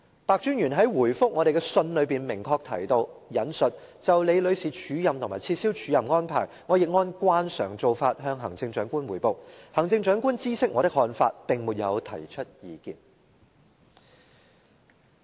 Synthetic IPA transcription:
paː˨˧k̚t͡ʃyː˥njyː˨˩nɦɐ˨˥jwuː˨˩jfʊ˥k̚ŋɔː˨˧ɾe˨jkɛ˧sɵ˧nlɵ˨˧ɥpiː˨˩nmɪ˨˩ŋkʰɔː˧k̚t̪ʰɐ̰˨˩jt̪o˧wjɐ˨˥nsɵ˨t̚t͡sɐ˨wle˨˧jlɵ˨˧ɥsiː˨˩t͡ʃʰyː˨˥jɐ˨mt̪ʰʊ˨˩ŋmaː˨˩t͡sʰiː˧t̚siː˥wt͡ʃʰyː˨˧˥jɐ˨mŋɔː˥npʰa̰ː˨˩jŋɔː˨˧jɪ˨k̚ŋɔː˥nkʷwaː˥nsœ̰ː˨˩ŋt͡so˨wfaː˧t̚ɦœː˧ŋɦɐ˨˩ŋt͡sɪ˧ŋt͡ʃœː˨˥ŋkuː˥nwuː˨˩jpo˨˩whɐ˨˩ŋt͡sɪ˧ŋt͡ʃœː˨˥ŋkuː˥nt͡siː˥sɪ˥k̚ŋɔː˨˧t̪ɪ˥k̚hɔː˧nfaː˧t̚pɪ˨ŋmu˨t̚jɐ˨˧wt̪ʰɐ̰˨˩jt͡ʃʰɵ˥t̚jiː˨˧kḭː˨n

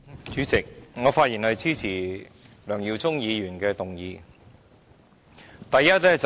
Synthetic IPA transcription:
t͡ʃyː˨˥t͡sɪ˨k̚ŋɔː˨˧faː˧˥t̚jiː˨˩nhɐ˨˧jt͡sʰiː˥t͡sʰiː˨˩ | lœː˨˩ŋji˨˧wt͡sʊ˥ŋjiː˨˧jyː˨˩nkɛː˧t̪ʊ˨ŋjiː˧ | t̪ɐ˨jjɐ˥t̚lɛː˥t͡s

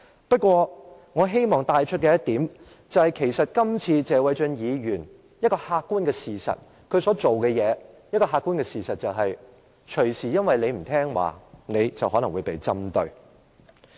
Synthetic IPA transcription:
pɐ˥t̚kʷwɔː˧ | ŋɔː˨˧ɦe˥jmɔː˨ŋt̪aː˨˧jt͡ʃʰɵ˥t̚kɛː˧jɐ˥t̚t̪iː˨˥m | t͡sɐ˨˩whɐ˨jkʰe˨˩jsɐ˨t̚kɐ˥mt͡sʰiː˧t͡sɛː˨˧wɐ˨˧jt͡ʃɵ˧njiː˨˧jyː˨˩n | jɐ˥t̚kɔː˧haː˧k̚kːuː˥nkɛː˧siː˨sɐ̰˨t̚ | kʰɵ˨˧ɥsɔː˨˥t͡so˨wkɛː˧jɛː˨˧jɐ˥t̚kɔː˧ɦaː˧kuː˥nkɛː˧siː˨˩sɐ˨t̚t͡sɐ˨wɦɐ˨j | t͡ʃʰɵ˨˩ɥsiː˨˩jɐ˥nwɐ˨jle˨˧jm̩˨˩t̪ʰɛː˥ŋwa̰ː˨˩ne˨˧jt͡sɐ˨wɦɔː˨˥nɐ˨˩wuː˨˧jpe˨jt͡sɐ˥mt̪ɵ˧ɥ

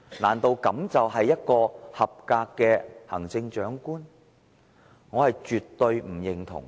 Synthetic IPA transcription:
laː˨˩nt̪o˨˧wkɐ˨˥mt͡sɐ˨wɦɐ˨jːɐ˥t̚kɔː˧hɐ˨p̚kaː˧kːɛː˧hɐ̰˨˩ŋt͡sɪ˧ŋt͡ʃœː˨˥ŋkuː˥n | ŋɔː˨˧hɐ˨jt͡ʃyː˨tt̪ːɵ˧ɥm̩˨˩jɪ˨ŋt̪ʰʊ̰˨˩ŋ

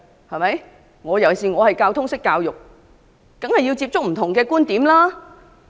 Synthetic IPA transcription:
hɐ˨jmɐ˨˥j | ŋɔː˨˧jɐ˨˩wsiː˨˩ŋɔː˨˧hɐ˨jkaː˧wt̪ʰʊ˥ŋsɪ˥kːaː˧wjʊ˨k̚ | kɐ˨˥ŋhɐ˨jːi˧wt͡siː˧p̚t͡sʊ˥k̚m̩˨˩t̪ʰʊ˨˩ŋkɛː˧kuː˥nt̪iː˨˥mlaː˥

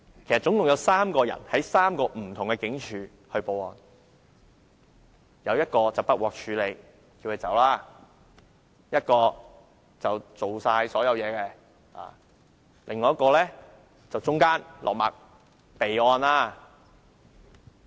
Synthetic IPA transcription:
kʰe˨˩stt͡sʊ˨˥ŋt̪ʊ˨ŋjɐ˨˧wsaː˥mkɔː˧jɐ̰˨˩nhɐ˨˥jsaː˥mkɔː˧m̩˨˩t̪ʰʊ˨˩ŋkɛ˧kɪ˨˥ŋt͡ʃʰyː˨˧ | hɵ˧ɥpo˨˧wɔː˧n | jɐ˨˧wjɐ˥t̚kɔː˧t͡sɐ˨wpɐ˥wɔː˨k̚t͡ʃʰyː˨˧le˨˧j | ki˧whe˧jt͡sɐ̰˨˥wlaː˥˩ | jɐ˥t̚kɔː˧ | t͡sɐ˨wt͡so˨wsaː˧jsɔː˨˥jɐ˨˧wjɛː˨˧kɛ˧ | ʔa̰ː˨˩ | lɪ˨ŋɔː˨˦jɐ˥tkɔː˧lɛː˥ | t͡sɐ˨wt͡sʊ˥ŋkaː˥nlʔɔ̰˨k̚ma̰ː˨k̚ | pe˨jɔː˧naː˧˥

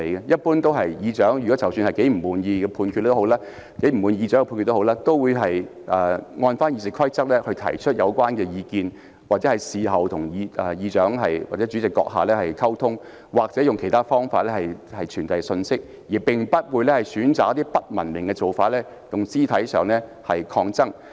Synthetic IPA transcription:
e˨˩jkɛ˧jɐ˥t̚puː˥nt̪o˥wɦɐ˨jjiː˨˧t͡ʃœː˨˥ŋjy˨kɔ˨˥t͡sɐ˨˩wsyː˧nhɐ˨jke˨˥jm̩˨˩muː˨˧njiː˧ɡɛː˧pʰuː˧nkʰy˧t̚ːtːo˨˥wlaː˥ | ke˨˥m̩˨˩wuː˨˧njiː˧œː˨˥ŋɡɛ˧pʰːnkʰy˧t̪ːo˥ɦwlaː˥t̪o˥wwuː˨˧jɦɐ˨j | ʔɛː˨˩ŋɔː˧nfaː˥nji˧t͡sɪ˨˩kʰɐ˥jt͡sɐ˥k̚lɛ˥hɵ˧ɥt̪ʰɐ̰˨˩jt͡ʃʰɵ˥t̚jɐ˨˧wkʷwaː˥nkɛː˧jiː˧kiː˧n | waː˨k̚t͡sɛ˨˥hɐ˨jsiː˨ɦɐ˨wt̪ʰʊ˨˩ŋjiː˨˧ʔːjiː˨˧t͡ʃœː˨˥ŋɦɐ˨jwaː˨t͡sɛ˨˦˥t͡ʃy˨˧˥t͡sɪ˨kːɔ̰ː˧k̚ɦa̰ː˨lɛː˥hɐ˨˩jkʰɐ˥wt̪ʰʊ˥ŋ | waː˨k̚t͡sɛː˨˥jʊ˨ŋkʰe˨˩jt̪ʰaː˥fɔː˥ŋfaː˧t̚lɛː˥hɐ˨jhɐ˨jt͡ʃʰyː˨˩nt̪ɐ˨jsɵ˧nsɪ˥k̚ | jiː˨˩pɪ˨ŋpɐ˥t̚wuː˨˧jlɛː˥hɐ˨jsyː˨˥nt͡saː˨k̚ɐ˥t̪iː˥pɐ˥t̚mɐ˨˩nmɪ˨˩ŋkɛː˧t͡so˨˩wfaː˨˥t̚lɛː˥ | t̪ʊ˨˩ŋsiː˥t̪ʰɐ˨˥jsœː˨˩ŋlɛ˥ | hɐ˨jkʰɔː˧ŋt͡sɐ˥ŋ

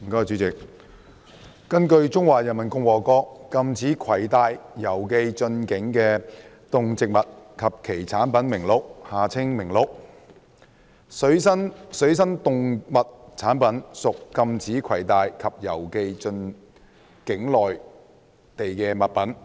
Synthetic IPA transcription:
kɔː˥jt͡syː˨˥t͡sɪ˨k̚ | kɐ˥nkɵ˧ɥt͡sʊ˥ŋwaː˨jɐ˨nmɐ˨˩nkʊ˧ŋwɔː˨kɔː˧kɐ˧mt͡sʰiː˨˥kʰwɐ˨˩jt̪aː˨˧jjɐ˨˩wke˧jt͡ʃɵ˧nkɪ˨˥ŋkɛː˧ | t̪ʊ˨ŋt͡sɪ˨k̚mɐ˨t̚kʰɐ˨p̚kʰe˨˩jt͡sʰaː˨˥npɐ˨˥nmɪ˨˩ŋlo˨˥k̚haː˨t͡sʰɪ˥ŋmɪ˨˩ŋlo˧˩k̚ | ssɐ˥nsɵ˨˥ɥs̬ɐ˥nt̪ʊ˨˧ŋmɐ˨t̚t͡sʰaː˨˥npɐ˨˥nsʊ˨kːɐ˧mt͡sʰiː˨˥kʰwɐ˨˩jt̪aː˨jkʰɐ˨p̚jɐ˨˩wke˧jt͡sɵ˧n | kɪ˨˥ŋlɔː˨j | t̪e˨jkɛː˧mɐ˨t̚pɐ˨˥n

